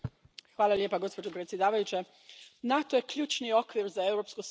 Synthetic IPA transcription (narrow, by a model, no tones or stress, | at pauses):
xʋaːlˠaljepaɡo̞spo̞d͡ʒopɾet̪sje̞d̪aːʋajut͡ɕe | nat̪oje̞kʎuːt͡ʃnio̞kʋiɾzae̞wɾopskos